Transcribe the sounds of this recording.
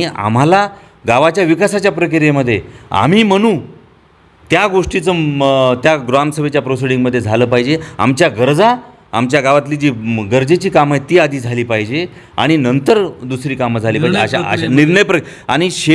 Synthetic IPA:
ia̰m̤ala | ɡaʋat͡ɕjaʋikasat͡ɕjapɾəkiɾeməd̪ʱːjea̰m̤iːməɽ̃ũː | t̪jaɡoʂʈit͡sət̪jaɡɾamsəʋet͡ɕjapɾosiɽiŋɡməd̪ʱːjed͡zʱaləːpaɦid͡ʑea̰mt͡ɕjaɡəɾd͡zaː | mt͡ɕjaɡaʋat̪liːd͡ʑiːɡəɾd͡zet͡ɕiːkamajt̪iːad̪ʱiːd͡zʱaliːpaɦid͡ʑe | a̰ɽ̃inənt̪əɾd̪usɾiːkaməd͡zʱaliːpaɦd͡ʑeaaa̰niɾɳəjpɾəa̰ɽ̃iɕe

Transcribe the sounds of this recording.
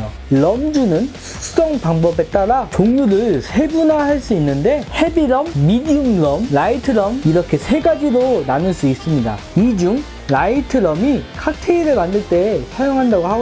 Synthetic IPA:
o | ɭʌmd͡ʑunɯnsʰu̥sʰd͡ʑʌŋpaŋbʌbe̞t͈aɾat͡ɕoŋɲuɾɯɭsʰe̞bunahaɭs͈uinːɯnde̞he̞biɾʌmːidiumɾʌmlaitʰɯɾʌmiɾʌkʰe̞sʰe̞ɡad͡ʑiɾonanɯɭs͈uis͈ɯmɲida̰ | id͡ʑuŋ | laitʰɯɾʌmikʰak̚tʰeiɾɯɭmandɯɭt͈e̞sʰajoŋɦandaɡohaɡ

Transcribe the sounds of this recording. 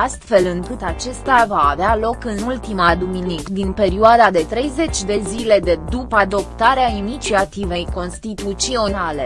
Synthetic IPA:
ast̪fe̞lɨŋkɨt̪at͡ʃe̞st̪avaːvealo̞kɨnult̪imad̪uminikd̪inpe̞ɾioad̪ad̪e̞t̪ɾe̞jze̞t͡ʃʲd̪e̞zile̞d̪e̞d̪upəad̪o̞pt̪aɾeainit͡ʃiat̪ive̞jko̞nst̪it̪ut̪sio̞nale̞

